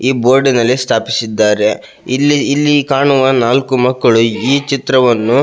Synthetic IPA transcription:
iːboːɾɖinɐlːist̪ʰaːpisid̪ːaːɾe̞ | ilːiːlːikaːɳuʋɐnaːlkumɐkːɐɭuiːt͡ʃit̪ɾɐʋɐnːu

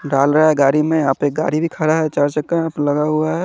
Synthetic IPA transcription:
ɖaːlɾəaɦɛɡaːɾimeaːpek̚ɡa̰ɾibʱikʰəɽaɦɛt͡ʃaɾt͡ʃəkaapləɡaɦuaɦɛ

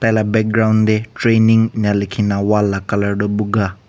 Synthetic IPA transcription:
t̪ajlabɛk̚ɡɾawnd̪eʈɾeniŋnjalikʰinawalːakɐləɾɖɔbuɡa

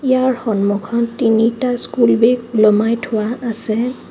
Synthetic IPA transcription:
ijaɹxɔnmukʰɔntinitaskulbekulɔmajtʰʊwaːsɛ

